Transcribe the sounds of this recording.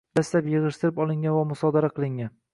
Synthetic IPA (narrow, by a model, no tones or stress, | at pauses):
d̪aslapjɨʁɨʃt̪ɪɾɪpɒlˠɪŋɡʲanvamʊsɒd̪aɾaqʰɨlˠɪŋan